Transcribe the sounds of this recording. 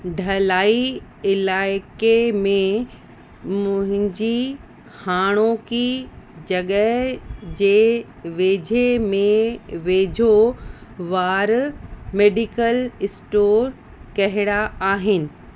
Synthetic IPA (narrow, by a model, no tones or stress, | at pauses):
ɖʱɐlaːiɪlaːɪkemẽ | mʊ̃ɦɪ̃ɲd͡ʑi | haːɽ̃okid͡ʑɐɠəɦd͡ʑeː | ʋeːd͡ʑʱemẽʋeːd͡ʑʱo | ʋaːɾmeːɖɪkəlɪsʈoːɾ | kɐɦɪɽaaːɦɪnɪ̆